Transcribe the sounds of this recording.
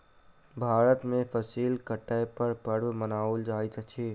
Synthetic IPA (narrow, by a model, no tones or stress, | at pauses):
bʱaːɾət̪mẽpʰəsiːlkəʈːəjpəɾpəɾmənaːuld͡ʒaːɪt̪t͡ʃʰiː